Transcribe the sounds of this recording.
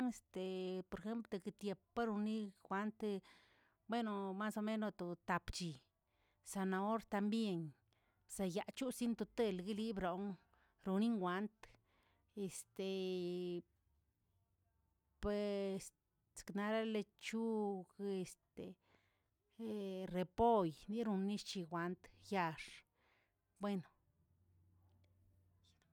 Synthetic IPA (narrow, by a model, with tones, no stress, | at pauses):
ŋe˧st̪e˨po˧ɾe˧xe˦mplt̪o˧ke˧t̪je˧˨pa˦ɾu˧ni˦xʷa˧˦nt̪ | bwe˦no˨ma˦so˧me˦no˧t̪o˨t̪a˨pt͡ʃi˨ | sa˧na˧o˦ɾt̪a˧mbje˧ɲ | sa˧ja˨t͡ʃu˦si˦nt̪o˧t̪e˦˧˨lɡi˦li˦bɾo˨˦ŋ | ɾu˧ni˦ŋɡʷa˨˦nt̪ | e˨st̪e˨ | pe˨s | skna˧ɾa˦le˧t͡ʃu˦ɡe˧st̪e˨ | ɾe˨po˦jni˦ɾu˧nːi˦ʃt͡ʃi˧ɡʷa˨˧˦nt̪ja˧ʂ | bwe˦˧no˨